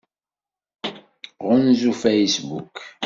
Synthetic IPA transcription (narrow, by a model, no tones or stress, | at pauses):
ʁʊnzufejsbṵk